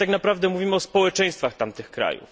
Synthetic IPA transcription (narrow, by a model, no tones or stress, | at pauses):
t̪aknapɾavd̪ɛmuvʲimɘɔspɔwɛt͡ʂɛ̃j̃st̪faxt̪amt̪ɘxkɾa̰jṵf